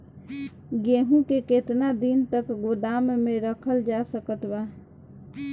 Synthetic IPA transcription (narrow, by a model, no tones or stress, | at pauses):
ɡeɦũkeket̪nad̪int̪əkɡod̪ammẽɾəkʰəld͡ʒasəkət̪ba